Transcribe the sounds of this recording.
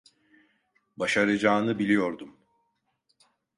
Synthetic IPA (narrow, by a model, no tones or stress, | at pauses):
baʃaɾɯd͡ʒaːnɯbilʲijo̞ɾd̪um